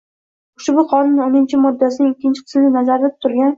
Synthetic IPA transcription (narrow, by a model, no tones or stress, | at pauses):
ʊʃbʊqʰɒnʊnonɪnt͡ʃʰɪmɒd̪ːasɪnɪŋɪkʲːɪnt͡ʃʰɪ̥qʰɨ̥smlɪnazaɾd̪̚t̪ʰːʊɾɡʲan